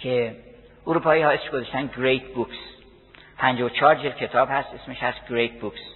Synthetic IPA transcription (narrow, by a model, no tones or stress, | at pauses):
kʰe | ʔuɾuːpʰɒːihɒːe̞smeʃɡozeʃt̪ænɡɾejt̪ʰbuks | pʰænd͡ʒɒːwot͡ʃʰɒːɾd͡ʒelkʲʰe̞t̪ʰɒːbhæst̪ʔesmeʃhæst̪ɡɾejt̪̚buks